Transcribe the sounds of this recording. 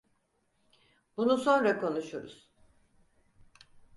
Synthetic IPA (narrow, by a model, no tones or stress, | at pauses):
b̥unuso̞nɾakʰo̞nuʃuɾṵz̥